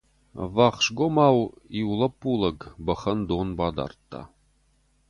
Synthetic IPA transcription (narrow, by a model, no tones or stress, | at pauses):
vɑχʂɡomɑwiulˠɐpːulˠəɡbəχənd̪onbɑd̪ɑ̰rt̪ːɑ̰